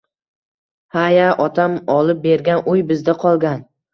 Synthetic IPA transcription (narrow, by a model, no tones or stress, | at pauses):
hajaʔɒt̪ʰamɒlɪp̚be̞ɾɡʲanʊjbɪzd̪aqʰɒlˠɡʲan